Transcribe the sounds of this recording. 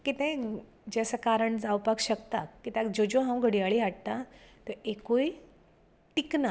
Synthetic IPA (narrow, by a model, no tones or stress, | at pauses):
kit̪ɛ̃ | d͡ʑesəkaɾəɳd͡zawpakɕəkt̪akːit̪ẽd͡ʑod͡ʑoɦãw̃ɡʱəɽijaɭiɦaʈ̚t̪at̪əekoj | ʈikna